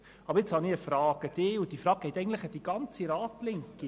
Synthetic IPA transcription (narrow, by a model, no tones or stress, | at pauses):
ɑbəɾɪt͡shɑniəfɾɑːɡ̥əd̥̪ɪːʊd̥̪ifɾɑːk̚ɡɛɪt̪ɛɪɡŋndləχəd̥iɡ̥ɑnt͡siɾɑːt̪lɪŋki